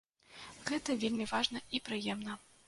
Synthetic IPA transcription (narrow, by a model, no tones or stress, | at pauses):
ɣɛt̪ɐvʲelʲmʲivaʐnɐipɾɨjɛmn̪ɐ